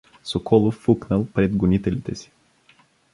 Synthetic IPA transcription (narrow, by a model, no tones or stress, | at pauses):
sokʰɔlˠofːuknəlˠpɾɛd̪ɡonit̪ɛlit̪ɛsi̥